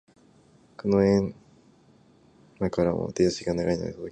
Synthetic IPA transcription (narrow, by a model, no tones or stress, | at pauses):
kɯnoẽn | makaɾamo̰t̪eɕiɡanaɡaino̰esot̪o